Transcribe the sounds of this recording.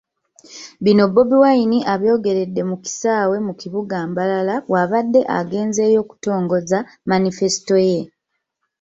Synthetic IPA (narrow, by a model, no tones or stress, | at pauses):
βino̞bːo̞biwainiʔaβjo̞ːɡe̞ɾe̞dːe̞muki̥saːwe̞mukiβuɡaːmbalalawaβadːe̞ʔa̰ɡe̞ːnze̞ːjo̞ku̥to̞ːŋɡo̞za | manife̞si̥to̞je̞